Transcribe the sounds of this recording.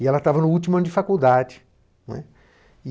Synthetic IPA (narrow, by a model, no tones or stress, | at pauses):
ɪɛlɐt̪avɐnʊut͡ʃimʊɐ̃nʊd͡ʒɪfakuwd̪ad͡ʒɪ̥ | nwɛ̰